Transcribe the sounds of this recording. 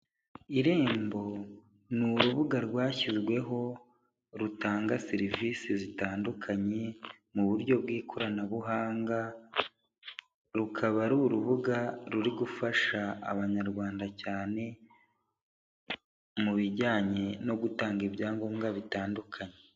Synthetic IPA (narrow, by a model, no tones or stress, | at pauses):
iɾe̞ːmbo̞ | nuɾuβuɡaɾɡwaːçizɡwe̞ɦo̞ | ɾutaːŋɡaseɾiviːsizitaːndukʰaɲe̞ | muβuɾɟo̞bɡiːkʰoɾanaβuɦaːŋɡa | ɾukʰaβaɾuɾuβuɡaɾuɾiɡufaʃa̰ːβaɲaɾɡwaːndacaːne̞ | muβiɟaːɲe̞no̞ɡutaːŋɡiβjaːŋɡo̞mɡaβitaːndukʰaɲe